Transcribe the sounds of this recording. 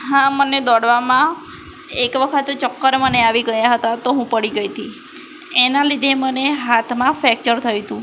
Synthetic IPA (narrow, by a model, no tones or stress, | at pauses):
ɦãməned̪ɔɽʋamã | ekʋəkʰət̪et͡ʃəkːəɾməneaʋiɡəjaɦət̪at̪oɦũpəɽiɡəjt̪ʰi | enalid̪ʱeməneɦat̪ʰmãfɛk̚t͡ʃəɾt̪ʰəjut̪ũ